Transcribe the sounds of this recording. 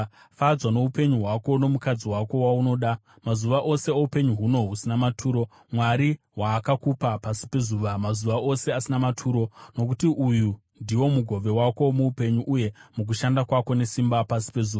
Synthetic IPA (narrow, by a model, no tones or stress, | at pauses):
fad͡zwano̞upe̞ɲuɦwako̞no̞mukad͡ziwako̞wauno̞ːɗa | mazuʋaʔo̞se̞oupe̞ɲuɦuno̞ɦusinamatʰuːɾo̞ | mwaɾi | waːkakupapasi̥pe̞zuʋamazuʋaʔo̞se̞asinamatʰuːɾo̞no̞k̬utiʔuju | ndiwo̞muɡʱo̞ʋe̞wako̞muupe̞ɲuʔuje̞muk̬uʃandakwako̞ne̞simbapasi̥pe̞zuːa